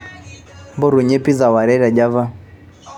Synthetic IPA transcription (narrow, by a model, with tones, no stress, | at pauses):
mbɔ˦ɾu˨ɲɛ˦pi˦za˨wa˨ɾɛ˦ɾa˨d͡ʒa˦va˦